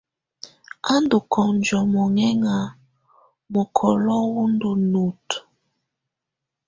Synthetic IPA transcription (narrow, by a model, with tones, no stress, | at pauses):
a˦ndu˨kʰɔ˨nd͡ʒɔ˨mɔ˨ŋɛ˦ŋa˨ | mo˨kʰɔ˨lɔ˦wu˦ndo˨nu˨t